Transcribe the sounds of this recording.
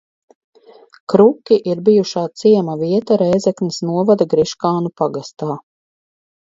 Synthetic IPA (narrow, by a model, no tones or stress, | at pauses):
kɾukʲiʔiɾbijuʃaːt̪siɛmaviɛt̪aɾɛjzɛknisnuɔvad̪aɡɾiʃkaːnupaɡast̪aː